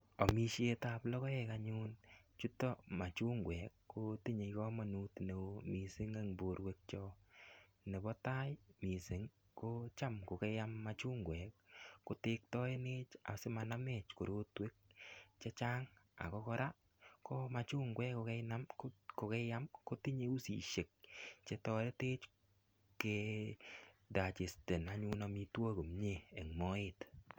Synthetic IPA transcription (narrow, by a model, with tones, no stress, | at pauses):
ɔ˨mi˦ʃje˦ta˨plɔ˦kɔ˦ɛka˨ɲu˦n | t͡ʃu˦tɔ˦ma˨t͡ʃu˦ŋɡwɛ˨kːo˨ti˦ɲe˨kɔ˦ma˨nu˨˦tne˨omi˨sɪ˦ŋe˦ŋbo˨ɾwe˦k̚t͡ʃɔ˦ | ne˨bɔ˦ta˦jmi˨sɪ˨˦ŋ | ko˦t͡ʃa˦mko˨ke˦ja˦mːat͡ʃu˦ŋɡwɛ˨k̚ːo˦te˦k̚tɔ˦e˦ne˦t͡ʃa̰˨sɪ˦ma˨na˦me˨t͡ʃko˨ɾo˦twe˦k̚t͡ʃe˦t͡ʃa˦ŋa̰˨kɔ˦kɔ˦ɾa˦ | ko˦ma˨t͡ʃu˦ŋɡwɛ˦ko˧kɛ˦jna˦mko˨kɛ˦ja˦mko˦ti˦ɲe˦u˦sḭ˨ʃe˨k̚t͡ʃe˦tɔ˧ɾe˦te˦t͡ʃ | ke˧ | da˨t͡ʃe˨ste˨na˨ɲu˦na˨˧mi˧two˦ko˨mɲeː˨ŋmɔ˦ɪ˦t